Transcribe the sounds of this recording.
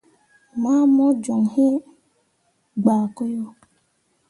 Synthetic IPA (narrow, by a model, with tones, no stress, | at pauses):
ma˦mɔ˦d͡ʒɔ˨ŋhi˦ | ɡ͡ba˨ko˦jo˦